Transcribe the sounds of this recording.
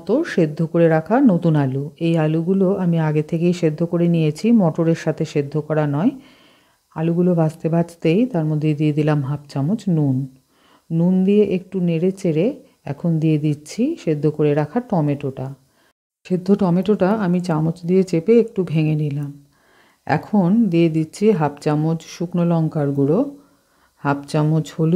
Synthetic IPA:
ɔt̪oʃed̪ʱːokoɾeɾakʰanot̪unaluejaluɡuloʔamiaɡet̪ʰekejʃed̪ʱːokoɾenijet͡ɕʰimɔʈoɾeɾʃat̪ʰeʃed̪ʱːokɔɾanɔe | a̰luɡulobast̪ebad͡ʑt̪ejt̪aɾmod̪ʱːejd̪ijed̪ilamɦapt͡ɕamot͡ɕnunː | und̪ieʔek̚ʈuneɾet͡ɕeɾe | ɛ̰kʰond̪ied̪itːɕʰiʃed̪ʱːokoɾeɾakʰaɾʈɔmeʈoʈa | ʃed̪ʱːoʈɔmeʈoʈaamit͡ɕamot͡ɕd̪iet͡ɕepeek̚ʈubʱeŋenilam | ɛ̰kʰond̪ijed̪itːɕʰiɦapt͡ɕamod͡ʑʃuknolɔŋkaɾɡulo | hapt͡ɕamod͡ʑhol

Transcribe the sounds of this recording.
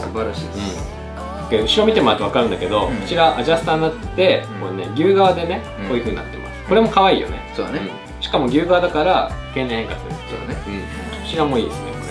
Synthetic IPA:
sbaɾaɕḭːɯ̟̃ | keɯ̟ɕiɾo̞mʲit̪e̞moat̪oakaɾɯ̟nd̪ake̞d̪o̞kɯ̟t͡ɕiɾaʔa̰ʑasɨ̥t̪ãnːat̪ːe̞monḛɡʲɨːɡaβad̪e̞ne̞ | ko̞ːjɯ̟ɸɯ̟ːɲinat̪ːḛma̰sɨ̥koɾe̞mo̞kaβaḭːjo̞̰ne̞̰sodneɯ̟̃ | ɕi̥kamo̞ɡʲɨːɡaβad̪akaɾake̞ːnẽhẽŋkaseo̰neɯ̟̃ɴ̥ | t͡ɕiɾamo̞iːd̪e̞sɨne̞̰

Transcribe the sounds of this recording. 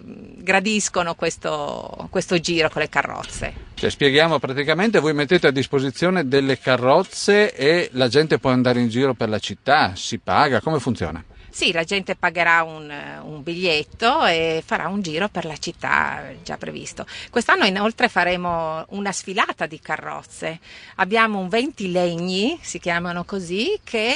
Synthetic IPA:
ɡɾad̪iskonokwest̪o̰kwest̪od͡ʒiːɾokolːekarːɔ̰t̪sːḛt͡ʃɛ̰spjeɡjaːmopɾat̪ikament̪evojmet̪ːeːt̪ead̪ːispozit̪sːjoːned̪elːekarːɔt̪sːeelad͡ʒɛnt̪epwɔand̪aːɾeind͡ʒiːɾoperlat͡ʃit̪ːasipaːɡakomefunt̪jo̰ːna̰ | silad͡ʒɛnt̪epaɡeɾaunṵmbiʎːet̪ːoefaɾʔa̰und͡ʒiːɾoperlat͡ʃit̪ːa̰d͡ʒa̰pːɾḛvḭst̪okwest̪anːoinolt̪ɾefaɾeːmounasfilaːt̪ad̪ikarːɔ̰t̪sːeabːjaːmouɱvɛnt̪ileɲːisik̟jaːmanokozikʰe

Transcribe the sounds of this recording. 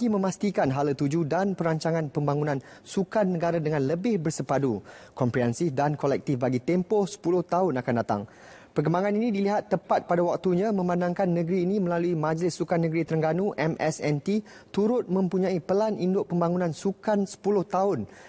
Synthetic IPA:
aɡimə̃mast̪ikanɦalət̪ud͡ʒudanpəɾaɲt͡ʃaŋãnpəmbaŋunãnsukanːəɡaɾadəŋãnləbɪhbərsəpadukɔmpɾiɛnsifdankolɛk̚t̪ɪfbaɡit̪empɔhsə̥pulʊht̪aʊnakandat̪a̰ŋ | pərk̬əmbaŋãninĩdiliɦat̪ːəpat̪̚padawak̚t̪uɲãmə̃manãŋkanːə̃ɡəɾiːnĩmə̃laluimãd͡ʒlɪsːukanːəɡɾit̪əɾəŋɡanũʔɛmʔɛsɛnt̪i | t̪uɾʊt̪̚mə̃mpuɲãipəlanindʊʔpəmbaŋunãnsukansə̥pulʊht̪aʊn

